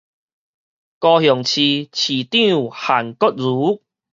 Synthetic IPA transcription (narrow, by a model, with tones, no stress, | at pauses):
kɔ˧hjɔ˨˩ŋt͡ɕʰi˧t͡ɕʰi˨˩t̪ĩ˥˨u˨ha˨˩nkɔ˦t̚zu˨˦